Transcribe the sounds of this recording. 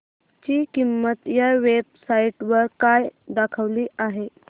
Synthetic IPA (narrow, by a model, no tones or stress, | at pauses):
t͡ɕiːkimːət̪jaʋeb̚saiʈʋəɾkajd̪akʰəʋliːaɦe